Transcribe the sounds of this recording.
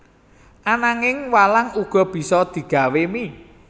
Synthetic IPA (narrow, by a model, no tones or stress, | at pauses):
ʔanaŋɪŋwalaŋuɡ̥ɔ̤b̥i̤sɔd̪̥i̤ɡ̥a̤wemi